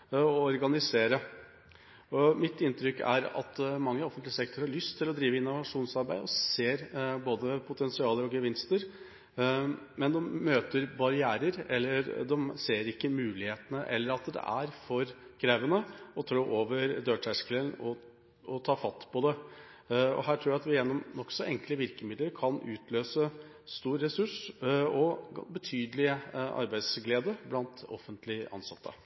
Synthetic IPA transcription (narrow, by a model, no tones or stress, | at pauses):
ɔɔɾɡɑnɪseːɾə | ɔmɪt̪ɪnt̪ɾʏkːæ̰ɾɑ̰t̪mɑŋːəɔfənt̪lɪəsɛk̚t̪ʊɾhɑɭʏst̪ʰːɪlːɔd̪ɾiːʋəɪnːʊʋɑʂuːnsɑɾbæɪd̪ɔseːɾboːd̪əpʰʊt̪ʰɛnsɪɑːləɾɔɡəʋɪnst̪əɾ | mɛnd̪ɔmːøːt̪əɾbɑɾɪæːɾəɾɛlːəɾd̪ɔmseːɾɪkːəmʉːlɪheːt̪ənəʔɛ̰lːəɾɑt̪d̪ɛ̰ʔæɾfɔɾkʰɾæʋənəɔt̪ʰɾoːʔoːʋəɾd̪øːʈʰæʂkələnɔ | ɔt̪ʰɑːfɑt̪ːpɔd̪ɛ | ɔ̰ɦæːʈʰɾuːɾæɑt̪ʋɪjɛnːɔmnɔksɔʔɛŋkləʋɪɾkəmɪd̪ləɾkʰɑnʉ̰ːt̪ʰløːsə | st̪uːɾːɛsʉʂɔbət̪ʰyːd̪əlɪəɑ̰ɾbæɪd̪sɡleːd̪əblɑnt̪ɔ̰fənt̪lɪʔɑ̰nsɑt̪ʰːə̰